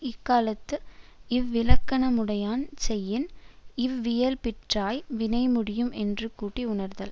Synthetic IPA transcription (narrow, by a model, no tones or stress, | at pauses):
ɪkːaːlɐt̪ːɯɪʋːɪlɐkːɐnɐmʊɽɐjaːnsɛjːɪnɪʋʋɪjɐlpɪʈraːjʋɪnɐɪmʊɽɪjɯmʔɛndrɯkuːʈːiʊɳɐɾðɐl